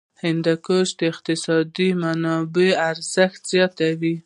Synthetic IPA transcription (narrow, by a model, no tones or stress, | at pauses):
hɪnd̪akoʃd̪əɪq̚t̪ɪsɑd̪imanɑbeaɾz̥əxt̪z̥jɑt̪awi